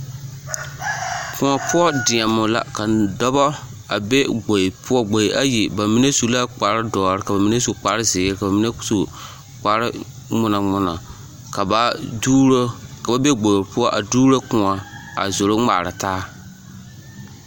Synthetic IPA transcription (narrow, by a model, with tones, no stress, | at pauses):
kʰʊ̃˨a˨pʰʊ˦ɔ˦dɪ˨ɛ˨mːʊ˨la̰˦ka˨dɔ˦bɔ˦ | a˨be˦ɡ͡bo˨pʰʊ˦ɔ˦ɡ͡bo˨jʔa˦ji˨ba˨mi˦ne˦su˨la˦k͡pa˨ɾɪ˦dɔː˨ɾɪ˦ka˨ba˨mi˦ne˦su˨k͡paː˨˦ɾɪ˦zɪː˨˦ɾɪ˦ka˨ba˨mi˦ne˦su˨ | k͡pa˨ɾɪ̰˦ | mʊ˨na˨mʊ˨na̰˨ | ka˨ba˦ | ka˨ba˨be˦ɡ͡bo˨ɾpʊ˦ɔ˦ʔa˨duː˦ɾo˦kʊ̃˨a˨a̰˨zo˨ɾo˦ŋ͡ma̰ː˨ɾɨ˨taː˦